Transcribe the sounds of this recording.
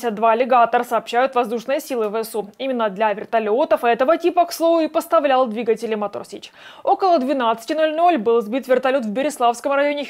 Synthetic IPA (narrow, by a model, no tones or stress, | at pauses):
sʲəd̪valʲɪɡat̪əɾəsəːpɕːæjʊt̪vɐzd̪uʂnɨjəsʲilˠɨvəɛsuimʲɪnːəd̪lʲɐvʲɪrt̪ɐlʲo̞t̪əfɛt̪əvətʲipəkslˠoʊipəst̪ɐvlʲalˠd̪vʲiɡətʲɪlʲɪmɐt̪o̰rsʲḭt͡ɕ | o̞kəlˠəd̪vʲɪnat̪sɨ̥tʲɪno̞lʲno̞lʲbɨlˠzbʲit̪vʲɪrt̪ɐlʲo̞t̪vbʲɪɾʲɪslˠafskəmrɐjo̞nʲɪ